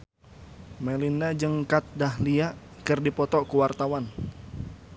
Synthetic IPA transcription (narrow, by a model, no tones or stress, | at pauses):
mɛlinad͡ʒɨŋkat̪̚dahliaʔkɨrdipɔt̪ɔkuwart̪awan